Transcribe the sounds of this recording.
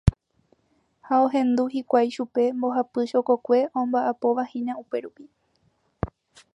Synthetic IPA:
haoɦẽ̞nd̪uhikʷajʃupe̞mbo̞ɦapɨʃo̞kokʷe̞ʔõmbaʔapo̞ʋahĩɲãupe̞ɾupi

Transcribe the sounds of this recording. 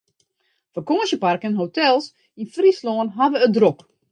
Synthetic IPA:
fərkoːsjəparkənɦotɛlˠs | infrisloːnɦaʋəədrok

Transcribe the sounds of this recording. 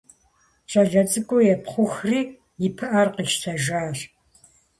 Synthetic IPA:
t͡ʃʼɐɮɐt͡sʼɨkʷʼɔjɛpχʷʊxriː | jɪpʰɨʔɐrqiʃtʰɐʒaːr

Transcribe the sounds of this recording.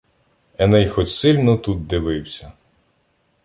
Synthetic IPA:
ɛnɛjxɔt͡ʃʲsɪlʲnɔt̪ut̪̚d̪ɪʋɪwsʲɐ

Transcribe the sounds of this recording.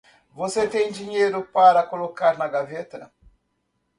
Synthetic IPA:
voset̪ẽj̃d͡ʒĩɲejɾʊpaɾɐkolokaɾnɐɡavet̪ɐ

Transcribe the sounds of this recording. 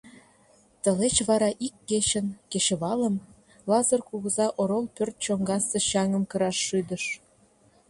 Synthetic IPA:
t̪ə̆let͡ɕβɑɾɑʔikːet͡ɕə̆nkeɕĕβɑlə̆m | lɑzərkuɣə̆zɑʔoɾolpørt̪̚t͡ɕoŋɡɑsə̆ɕɑŋə̆mkə̆ɾɑʃːyd̪ə̆ʃ

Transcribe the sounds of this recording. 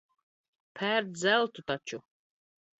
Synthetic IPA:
pʰæːɾd͡zɛlt̪ʰut̪ʰat͡ʃʰu

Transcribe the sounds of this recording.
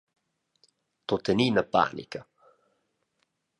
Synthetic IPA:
t̪ot̪eninapa̰ːnḭka

